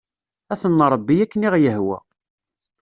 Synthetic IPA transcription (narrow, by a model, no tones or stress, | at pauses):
æθənːɾˤəbːijækːəniʁjəɦwæ̰